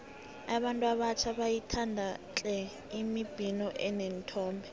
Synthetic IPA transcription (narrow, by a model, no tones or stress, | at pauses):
aβantʼuaβat͡ʃʰaβajitʰandʱat͡ɬʼɛ | imib̥ʱinɔʔɛnen̩tʰɔːmbɛ